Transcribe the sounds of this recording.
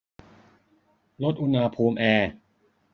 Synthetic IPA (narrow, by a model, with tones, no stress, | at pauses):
lo˦˥t̪̚ʔu˧naː˧pʰuː˧mʔɛː˧